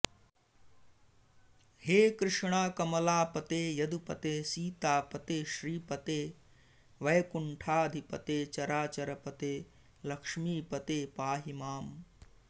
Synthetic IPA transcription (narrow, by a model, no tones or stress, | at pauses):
heːkɾɪʂɳaːkɐmɐlaːpɐt̪eːjɐd̪upɐ̰t̪eːsiːt̪aːpɐt̪eːʃɾiːpɐt̪eː | ʋɐjɐkuɳʈʰaːd̪ʱipɐt̪eːt͡ʃɐɾaːt͡ʃɐɾɐpɐt̪eː | lɐkʂmiːpɐt̪eːpaːɦimaːm